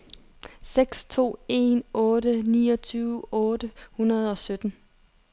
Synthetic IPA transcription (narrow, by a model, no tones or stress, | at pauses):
seɡ̥st͡sʰo̝̰ːe̝nɔ̽ːɾəniːɒt͡sʰyːʊɔ̽ːdəhunɐð̞̩ˠɒ̽sød̥n̩